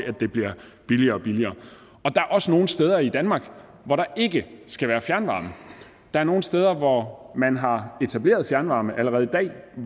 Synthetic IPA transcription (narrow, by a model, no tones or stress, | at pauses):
ʔæd̥e̝b̥liɐ̰ | b̥iliɐːɒ̽b̥iliɐː | ɒ̽d̥ɑ̈æɐʔɒ̽səno̝ːn̩sd̥eːð̞ˠɐid̥ænmɑ̈ːɡ̥ | ʋɒɾɑ̈ʔe̝ɡ̥əsɡ̥æʋæːɐfjæɐnʋɑ̰̈ːmə | d̥ɑ̈æɐno̝ːn̩sd̥eːð̞ˠɐʋɒmænɦɑ̈e̝t͡sʰæb̥le̝̰ːɐðˠfjæɐnʋɑ̈ːməʔæləʁɛðˠid̥ɛ̰ː